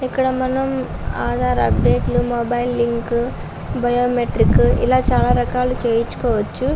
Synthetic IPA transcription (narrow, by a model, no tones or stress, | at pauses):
ikːɐɽɐmɐnːɐm | aːd̪ʱaːɾɐ̰pɖeːʈlumoːbɐjlːiŋk | bɐjoːmeʈɾikːuḭlaːt͡ʃaːlɐɾɐkaːlut͡ʃeːjit͡ʃːu̥koːʋɐt͡ʃːu